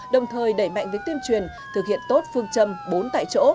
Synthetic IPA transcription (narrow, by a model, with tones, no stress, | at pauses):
ɗə˨˩wŋ͡mt̪ʰəː˨˩jɗə˧˩jma̰˧˨jŋ̟və˨˦jt̪i˧ənt͡ɕwi˨˩ən | t̪ʰɨ˨˩k̚hḭ˧˨ənt̪o˦˥t̚fɨ˧əŋt͡ɕə˧mɓo˨˦nt̪a̰ː˧˨jt͡ɕo̰˧˥